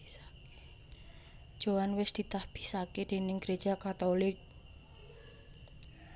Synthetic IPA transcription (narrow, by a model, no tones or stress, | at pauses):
ake̥ | d̥ʒ̥o̤wanwɪsd̪̥i̤t̪ahb̥i̥̤saked̪̥e̤nɪŋɡ̥ɾed̥ʒ̥a̤kat̪ɔlɪk̚